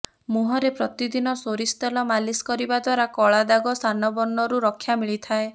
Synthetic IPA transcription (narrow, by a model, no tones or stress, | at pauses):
muɦɔɾepɾɔt̪id̪inɔsoɾist̪alɔmaliskɔɾibad̪waɾakɔɭad̪aɡɔst̪anɔbɔnːɔɾuɾɔkʰːjamiɭit̪ʰae